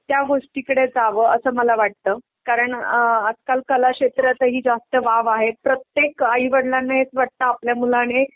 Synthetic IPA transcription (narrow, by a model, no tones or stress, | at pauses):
t̪jaɡoʂʈiːkəɽed͡zaʋəəsəːməlaʋaʈ̚t̪əː | kaɾəɳəd͡zkalkəlakɕet̪ɾjat̪əɦiːd͡zast̪əʋaʋaɦepɾət̪jekaiʋəɽlanːaet͡sʋaʈ̚t̪aapljamulañe